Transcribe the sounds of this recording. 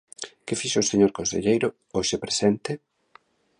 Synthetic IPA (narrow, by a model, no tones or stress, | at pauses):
kɪfiʃoʊseɲoɾkonsḛʎejɾʊ | oʃepɾesɛnt̪ɪ